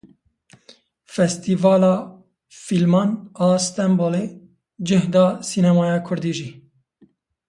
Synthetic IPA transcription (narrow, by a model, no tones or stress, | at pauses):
fɛst̪iːvɑːlɑː | filmɑːnɑːst̪ɛmboleː | d͡ʒɪhd̪ɑːsiːnɛmɑːjɑːkʰʊɾd̪iːʒiː